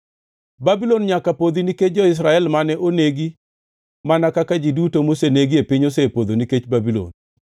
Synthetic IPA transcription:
babilɔnɲakapod̪iniket͡ʃd͡ʒɔɪs̬ɾaɛlmanɛʔoneɡi | manakakad͡ʒidutomoseneɡiepɪɲosepod̪oniket͡ʃbabilo̰n

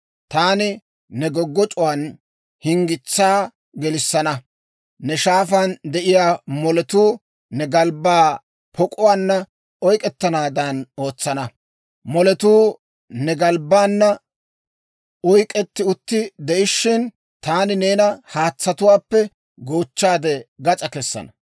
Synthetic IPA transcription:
t̪aːnɪ | nɛɡɔɡːɔt͡ʃʼʊwan | hɪŋɡɪt͡sːaː | ɡɛlɪsːɐnɐ | nɛʃaːfɐnd̪ɛʔɪjaːmɔlɛt̪uː | nɛɡɐlbːaː | pʰɔkʼʊwaːnːɐ | ɔjkʼɛt̪ːɐnaːd̪ɐno̞ːt͡sːɐnɐ | mɔlɛt̪uː | nɛɡɐlbaːnːɐ | ɔjkʼɛt̪ːɪʊt̪ːɪd̪ɛʔɪʃːɪn | t̪aːnɪneːnɐhaːt͡sːɐt̪ʊwaːpːɛ | ɡoːt͡ʃːaːd̪ɛɡɐt͡sʼɐkɛsːɐ̰nɐ

